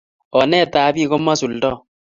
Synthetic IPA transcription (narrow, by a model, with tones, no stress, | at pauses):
ɔ˨nɛ˦˨ta˨˦bi˦˨ko˦ma˦su˨ldɔ˦